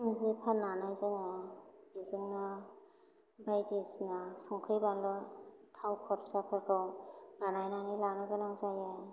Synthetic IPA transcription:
ŋzipʰananɯjzanabizɯŋnɯ | bajdesnasɔŋkʰɯjbanlɔtʰawkʰɔɾsakʰɯkʰɔɡanajnanilanɯɡɯnaŋzajaj

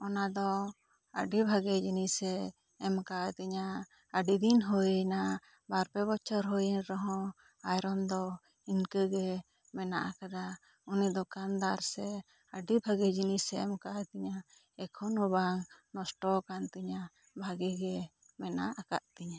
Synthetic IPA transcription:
ɔnad̪ɔ | ə̰ɖibʱaɡɛd͡ʒinisɛː | mkat̪iɲa | əɖid̪inɦujna | baɾpɛbɔt͡ʃɔɾɦojənɾɔɦɔ̃ | ajɾɔnd̪ɔ | inkəɡɛ | mɛna̰ʔakad̪a | unid̪ɔkand̪aɾsɛ | əɖibʱaɡɛd͡ʒinisɛɛmkat̪iɲa | ɛkʰɔnubaŋnɔsʈɔkant̪iɲa | bʱaɡiɡɛ | mɛnaʔaka̰ʔt̪iɲa

